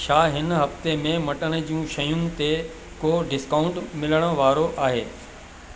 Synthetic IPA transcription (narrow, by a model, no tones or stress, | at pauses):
ʃaːɦɪnɦɐft̪emẽmɐʈəɽ̃ə̆d͡ʑiũʃɐjũn̆t̪e | koːɖɪskaːʊ̃ɳʈmɪləɽ̃əʋaːɾoʔaːɦḛː